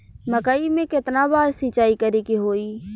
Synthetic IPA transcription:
məkəimẽkɪt̪nabaːɾsit͡ʃaːikəɾekiɦoːiː

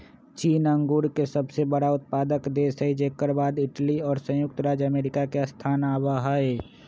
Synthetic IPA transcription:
t͡ʃiːnə̃ŋɡuːɽkesɐbsebəɽaʊt̪̚paːd̪əkd̪eːsəid͡ʒeːkːəɾbaːd̪ɪʈliɔːɾsə̃jʊk̚t̪ɾaːd͡ʒəmeːɾɪkakeɐst̪ʰaːnaːbaɦae

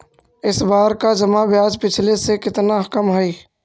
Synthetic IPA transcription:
ɪsbaːɾkad͡ʒɐmabjaːd͡ʒpɪt͡ʃʰlesekɪt̪naɦkəmɦɛiː

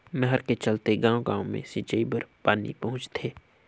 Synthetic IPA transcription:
mɛɦəɾket͡ʃɐlt̪eɡãːoɡãːõmḛ̃siːt͡ʃəibəɾpaːnḭpɐɦʊ̃t͡ʃt̪ʰeː

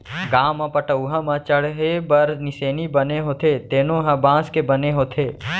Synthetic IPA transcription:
ɡãːmãpəʈəuɦɐ̃mãt͡ʃəɽɦebɐɾnɪseːnibəneɦoːt̪ʰet̪eːnõɦɐ̃bãːskebəneɦoːt̪ʰeː

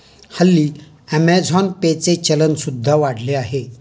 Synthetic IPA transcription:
həlːiː | ɛmɛd͡zʱɔnpet͡set͡ɕələnsud̪ʱːaʋaɽ̤leaɦe

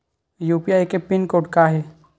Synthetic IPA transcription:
juːpiaːjkepɪnkoːʈkaɦɛ

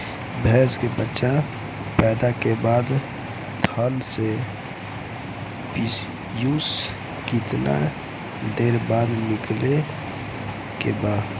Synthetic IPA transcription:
bʱɛskebətːʃa | pɛːd̪akebad̪ | t̪ʰənse | pi | jus | kit̪na̰ɾ | d̪eɾbad̪nikle | kebad

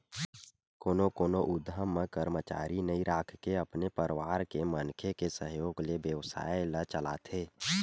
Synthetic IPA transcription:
koːnokoːnoʔʊd̪ʱːəmːekəɾmət͡ʃa̰ːɾinəĩɾaːkʰkeəpnepəɾʋaːɾkemənkʰekesəɦjoːɡlebjəʋsa̰ːelət͡ʃəla̰t̪ʰeː

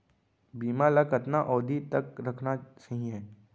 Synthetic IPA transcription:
biːmalɐkət̪naʔɔːd̪it̪ɐkɾɐkʰnasɐɦĩɦɛː

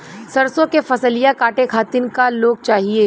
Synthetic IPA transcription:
sɐɾsõkefɐsəlijakaːʈekʰaːt̪ɪnkaloːɡ̚t͡ʃaːɦieː

